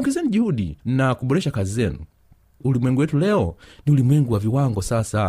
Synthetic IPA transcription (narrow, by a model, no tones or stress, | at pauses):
ŋɡɛzɛnuʄihuɗinakuɓɔɾɛʃakazizɛnṵ | ulimwɛŋɡuwɛtulɛɔniulimwɛŋɡuwaviwaŋɡɔsasa